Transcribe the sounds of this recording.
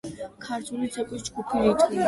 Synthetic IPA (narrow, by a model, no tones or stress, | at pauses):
kʰaɾt̪ʰulit̪sʰɛkʼis̬d͡ʒɡupʰiɾit̪ʼi